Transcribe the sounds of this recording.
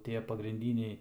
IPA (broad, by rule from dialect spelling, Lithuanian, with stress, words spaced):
ˈtʲiɛ pɐɡrʲɪnʲˈdʲiːnʲɛɪ